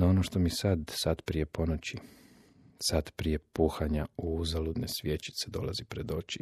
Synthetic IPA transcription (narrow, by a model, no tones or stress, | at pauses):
ao̞noʃt̪o̞misad̪sad̪pɾije̞po̞not͡ɕi | sad̪pɾije̞puːxaɲauuzalud̪nesʋʲjet͡ɕi̥t̪se̞d̪o̞̰lˠazipɾed̪o̞t͡ʃi